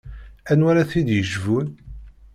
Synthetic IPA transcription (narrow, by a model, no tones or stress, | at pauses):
ænwaɾaθid̪jəʒvun